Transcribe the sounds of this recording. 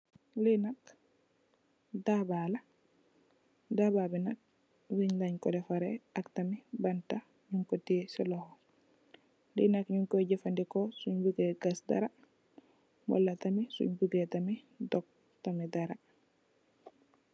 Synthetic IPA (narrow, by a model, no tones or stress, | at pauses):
linak | dabaːla | daːbabinak̚ | wiɲlaɲkɔlɛfaɾɛaktamibanta | ɲuŋkɔtisilɔhɔ | lḭnakɲuŋkɔɟɛfandikɔsuɲbuɡɛɡasda̰ɾa | mɔ̰lːatamisṵɲbuɡetami | dɔk̚ | tamidaɾa